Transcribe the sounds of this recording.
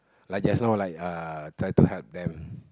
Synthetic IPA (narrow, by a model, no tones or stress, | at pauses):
lajk̚d͡ʒasnawlajkatʰɹajtuhɛlp̚dɛ̃m